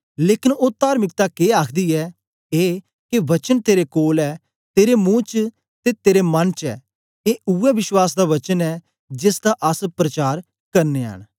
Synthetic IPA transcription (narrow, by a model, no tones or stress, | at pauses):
leːkɪnoːt̪aːɾmɪk̚t̪akeːaːkʰd̪iɛː | eː | keʋɐt͡ʃənt̪eːɾekoːlɛː | t̪eːɾemũːt͡ʃ | t̪et̪eːɾemɐnt͡ʃɛ̰ː | eːuɛʋɪʃwaːs̬d̪aʋɐt͡ʃənɛː | d͡ʒɪsd̪aʔɐspɾət͡ʃaːɾ | kɐɾneːɦə̰ːɳ̃